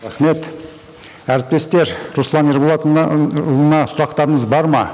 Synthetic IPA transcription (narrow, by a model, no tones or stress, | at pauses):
ɾæχme̞t̪ | æɾɪp̚t̪e̞st̪e̞ɾɾuslˠɑneɾbolˠɑt̪lˠənɑsʊɾɑqt̪ɑɾəɴəzbɑɾmɑ